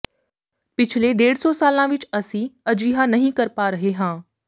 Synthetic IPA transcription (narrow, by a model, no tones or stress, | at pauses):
pɪt͡ʃʰleɖeːɽsɔːsaːlãːʋɪt͡ʃɐsĩɐd͡ʒiːɦanɐɦĩkɐɾpaːɾɐɦeɦãː